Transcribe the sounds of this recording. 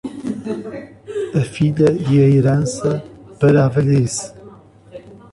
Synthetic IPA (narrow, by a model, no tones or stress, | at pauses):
ɐfiʎɐiɐeɾɐnsɐb̥ɐɾavɐles